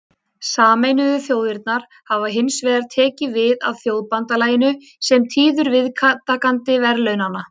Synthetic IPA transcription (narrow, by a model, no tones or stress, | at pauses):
saːmejnʏðʏθjoːwðɪɾt̪̚naɾ̥ | havaɦɪnsvɛːðaɾ̥t̪ʰɛːcɪvɪða̰ðθjowðpant̪alaːjɪnʏ | sɛmt̪ʰiːðʏɾvɪðkʰat̪ːakant̪ɪvɛɾlœɥnanːa